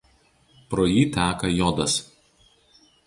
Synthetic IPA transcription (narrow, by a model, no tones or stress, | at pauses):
pɾɔːjiːt̪ʲæːkɐjɔd̪ɐs